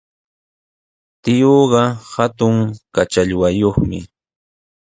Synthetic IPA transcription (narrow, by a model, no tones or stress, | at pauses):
t̪ɪjoːɢɑhat̪ʊŋkat͡ʃaʎwajoχmɪ̰